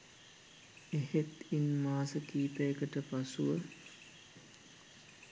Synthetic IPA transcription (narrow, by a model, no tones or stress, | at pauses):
ehet̪inmaːsəkiːp̪ejəkəʈəpasuʋə